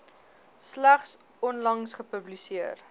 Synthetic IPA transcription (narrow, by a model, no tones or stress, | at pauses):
slæχs | ɔnlɐŋsχəpəblisiər